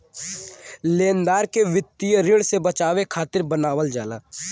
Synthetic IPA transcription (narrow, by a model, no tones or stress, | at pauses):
leːnd̪aːɾkeʋɪt̪ːijəɾɪɽsebət͡ʃaːʋekʰaːt̪ɪɾbənaːwəld͡ʒaːlaː